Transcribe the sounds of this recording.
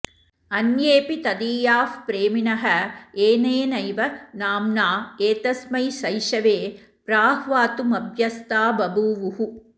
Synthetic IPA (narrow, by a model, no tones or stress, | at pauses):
ɐnjeːpit̪ɐd̪iːjaːfpɾeːminɐɦɐeːneːnɐjʋɐnaːmnaːeːt̪ɐsmɐjʃɐjʃɐʋeː | pɾaːɦʋaːt̪umɐbʱjɐst̪aːbɐbuːʋuɦu